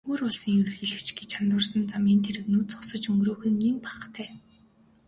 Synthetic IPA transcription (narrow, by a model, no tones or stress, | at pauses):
oːrʊɮsĭːŋɵɾɘ̆xĕɮɘ̆kt͡ɕɡet͡ɕʰant̪ʊːrsə̆nt͡samiːnt̪ʰeɾɘ̆knuːt͡sʊ̥χsə̆t͡ɕɵŋɡroːxɵ̆niŋpḁχt̪ʰæː